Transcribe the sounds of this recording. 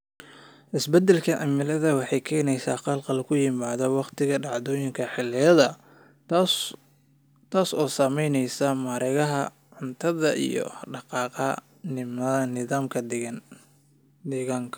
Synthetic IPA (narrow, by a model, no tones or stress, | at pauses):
ʔɪsbɛd̪ɛlkʰɐʔɐmɪlɐðɐwɑħɑjkʰɛːnɛjsaːqɑlqɑlkʰʊjɪmaːðɔwɑqt̪ɪɣɐɖɑʕd̪ɔːjɪŋkʰɐħɪlːɪjɐðɐ | t̪ʰaːsɔːsamɛjnɛjsɐmaːɾɛɣɐɦɐ | ʕʊnt̪ʰɐðɐʔḭjɔ̰ɖɑqɑːqɐ | mɐnɪðaːmkʰɐd | d̪ɛːɣaːŋkʰɐ̥